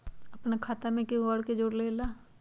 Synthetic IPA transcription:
ɐpnekʰaːt̪emẽkiəɽked͡ʒoːɽleːlaː

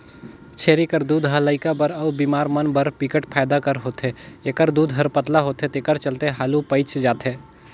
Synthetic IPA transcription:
t͡ʃʰeːɾikəɾd̪uːd̪ɦələːɪkabəɾɐʋbiːmaːɾmɐnbəɾpikəʈpʰaːd̪akəɾɦoːt̪eːekəɾd̪uːd̪ɦɐɾpət̪laɦoːt̪et̪eːkəɾt͡ʃɐlt̪eɦaːlupəɪt͡ʃʰd͡ʒaːt̪eː

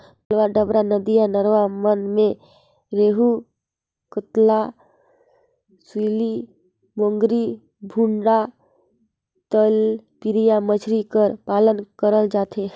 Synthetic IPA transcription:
əlʋaɖəbɾanəd̪ijanəɾʋamənmẽ | ɾeːɦu | kət̪la | siːli | mõŋɡɾi | bʱũɳɽa | t̪əlpiɾijamət͡ʃʰɾikəɾpaːlənkəɾəld͡ʒaːt̪ʰe

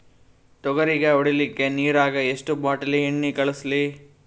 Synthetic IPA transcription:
ʈɔɡɐɾiɡeoɽilikːe̞niːɾaːɡɐeʂʈubaːʈɐlːiɦiɳːikɐɭusli

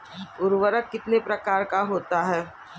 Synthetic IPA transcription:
ʊɾʋəɾəkːɪt̪nepɾɐkaːɾkaɦoːt̪aɦɛː

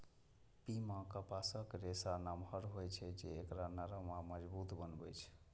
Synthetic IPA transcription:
pimãkəpasəkɾesanamɦəɾɦojt͡ʃʰɛd͡ʒeːkɾanaɾəmaməd͡ʒbut̪bənbɛt͡ʃʰɛ̥

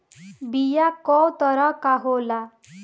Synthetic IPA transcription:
bijakɔwt̪ɔɾɔkaɦola

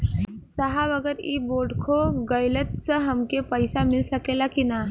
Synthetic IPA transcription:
səɦaʋəɡəɾiːboɖkʰoɡəjlət̪səɦəmkepəjsamilsəkelakina

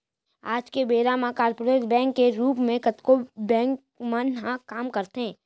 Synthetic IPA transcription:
aːd͡ʒkebeːɾamãkaːɾpoɾeːsbɛ̃ːŋkːeɾuːpmẽkɐt̪kobɛ̃ːŋk | mənɦãkaːmkəɾt̪ɦɛ̃ː

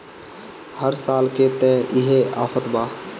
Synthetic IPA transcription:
həɾsaːlket̪ɛ̃ːʔɪɦeaːfʰət̪baː

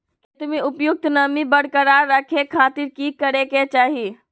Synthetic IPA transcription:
ket̪miupjuk̚t̪nəmibəɽ̤kəɾaɾəkʰekʰat̪iɾkikəɾeket͡ʃaɦi

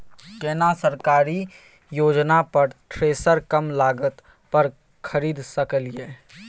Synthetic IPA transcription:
keːnasəɾkaːɾi | joːd͡ʒnapɐɾʈʰɾeːsəɾkɐmlaːɡət̪ | pəɾ | kʰəɾiːd̪sɐkəljeː

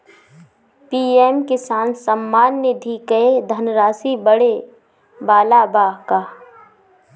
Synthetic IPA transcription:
piːɛːmkɪsaːnsɐmːaːnːed̪ʱiːkəed̪ʱənɾaːsibəɽe | baːlabaːɦkaː

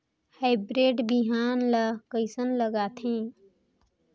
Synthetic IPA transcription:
haɪbɾeːɖbiɦaːnlakəɪsənləɡaːt̪ʰɦẽː

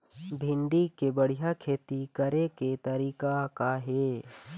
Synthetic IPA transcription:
bʱɪ̃nd̪ikebəɽ̤ijakʰeːt̪ikəɾeket̪əɾiːkakaɦe

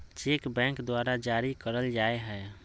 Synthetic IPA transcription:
t͡ʃekbɛ̃ŋkd̪waɾad͡ʒaɾikəɾəld͡ʒaeɦɛ

